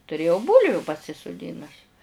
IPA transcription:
tʊˈrʲeːjɛʊ ˈbuːlʲʋʲʊ pɐsʲɪsʊˈdʲɪnʊs

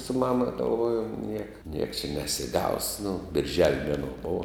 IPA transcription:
sʊ ˈmɑːmɐ ɡɐlˠˈʋoːjʊm ˈnʲiɛkɐ nʲiɛks t͡ʃʲɛ nʲɛsʲɪˈɡɐʊs nʊ bʲɪrʲˈʒʲɛlʲ ˈmʲæːnuɔ ˈboːʋɐ

